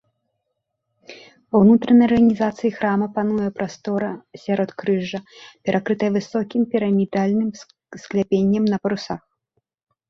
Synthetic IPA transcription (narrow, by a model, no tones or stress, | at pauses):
vɐwnut̪ɾɐnɐjrɣɐnʲizat̪sɨjixɾamɐpanujɛpɾast̪ɔɾɐsʲaɾɔt̪kɾɨʐɐpʲɛɾʔakɾɨt̪ɐjɐvɨsɔkʲimpʲiɾɐmʲid̪alʲnɨm | sklʲapʲenʲːɐmnɐpɐɾusax